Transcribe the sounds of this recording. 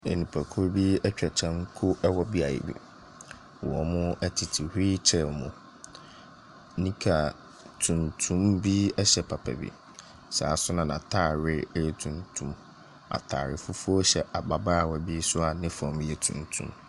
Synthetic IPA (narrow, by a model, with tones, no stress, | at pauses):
e˨nĩ˨pʰæ˨kʰʊ˦ɾbi˦ɛ˦t͡ɕᶣɛ˨t͡ɕʰɛ̃˦ŋkʰʊ˦ʔɛ˦wɔ˦bi˦a˨jɪ̰˨bḭ˦ | wɔ˨mʊ̃˦ɛ˦tʰɪ˨tʰi˨hɾi˦t͡ɕʰɛ˦˨mʊ̃˨ | nĩ˦kʰa˨ | tʰũ˨ntʰũ˦mbi˦ɛ˦ɕɛ˨pʰa˨pʰa̰˨bḭ˦˨ | sa̰ː˨˦sʊ˦nã˨nã˨tʰaː˦˨ɾɪ˦tʰũ˨ntʰũ˨m | a̰˨tʰa̰˨ɾɪ̰˨fʊ˦fu˦ɔ˦ɕɛ˨ʔa˨ba˨ba˦a˨wɔ˨bi˦sʊ˦a˨nɪ̃˦fɔ̃˨mjɛ˨tʰṵ̃˨ntʰṵ̃˦m